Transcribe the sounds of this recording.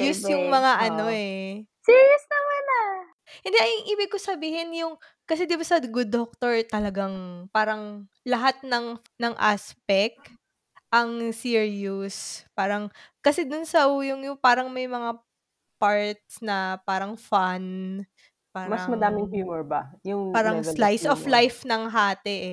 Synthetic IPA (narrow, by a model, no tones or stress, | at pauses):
jʊsjʊŋmɐŋaʔɐno̞ɛsiːɹjʊsnɐmana | hɪnd̪ɛʔɐjŋʔiːbɪɡ̚kosɐbiːhɪnjʊŋ | kɐs̬ɛd̪ɪbasɐɡʊd̪ok̚t̪oɹt̪ɐlɐɡaŋpaːɾɐŋ | lɐɦat̪̚nɐŋ | nɐŋʔa̰ːspɛk̚t̪ | ʔɐŋsiɹjʊspaːɾɐŋkɐsɛd̪ʊnsɐʔujʊŋjʊŋpaːɾɐŋmɐjmɐŋa | paɹt̪̚snɐpaːɾɐŋfan | paːɾmɐɐmɐdaːmɪŋɦjuːmɛɹbɐjʊŋpaːɾɐŋslajsoflajfnɐŋɦaːt̪ɛʔ